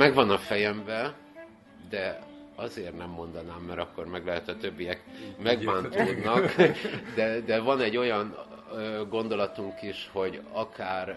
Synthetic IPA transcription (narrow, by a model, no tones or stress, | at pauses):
mɛɡvɒnɒfɛjɛmbɛ | d̪ɛ | ɒzeːrnɛmːo̞nd̪ɒnaːmːɛɾɒkːo̞rmɛɡlɛɦɛt̪ɒt̪øbːijɛkmɛɡbaːnt̪oːd̪nɒkd̪ɛd̪ɛvɒnɛɟːo̞jɒnøɡo̞nd̪o̞lɒt̪uŋkiʃho̞ɟɒkaːr